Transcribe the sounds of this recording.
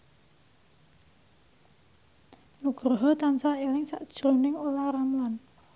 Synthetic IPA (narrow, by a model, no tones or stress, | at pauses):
nuɡ̥ɾɔɦɔt̪ansaelɪŋsa̰ʔd̥ʒ̥ɾonɪŋolaɾamlan